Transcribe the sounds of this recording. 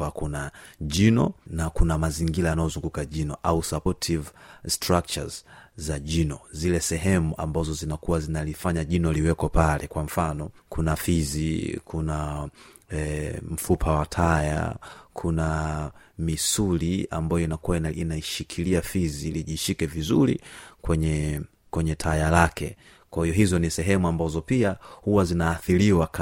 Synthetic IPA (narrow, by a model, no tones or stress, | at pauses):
akunaʄinɔ̰nakunamaziŋɡilajanajɔzuŋɡukaʄinɔʔausapɔtʰivstɾak̚t͡ʃa̰zzaʄinɔzilɛsɛɦɛmuʔambazɔzinakuwazinalifaɲaʄinɔliwɛkɔpalɛkwam̩fanɔkunafizikʰuna | m̩fupʰawatʰaja̰kʰuna | misulia̰mbajɔinakuwainainaiʃikʰiliafiziliʄiʃikɛvizulḭkwɛɲɛ | kwɛɲɛtʰajalakʰɛ | kwahiɔɦizɔnisɛɦɛmuambazɔpiahuwazinaːθiliwak